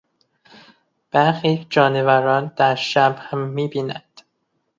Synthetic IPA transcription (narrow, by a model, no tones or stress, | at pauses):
b̥æɾxiːd͡ʒɒːnevæɾɒːnd̪̥æɾʃæbhæmːiːbiːnænd̪̥